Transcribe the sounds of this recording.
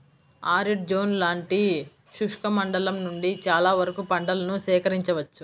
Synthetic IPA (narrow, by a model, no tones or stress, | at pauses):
aːɾiʈ̚d͡ʒoːnlaːɳʈi | ʃuʂkɐmɐɳɖɐlɐmnuɳɖit͡ʃaːlaːʋɐɾɐkupɐɳɖɐlɐnusɛːkɐɾiɲt͡ʃɐʋɐt͡ʃːu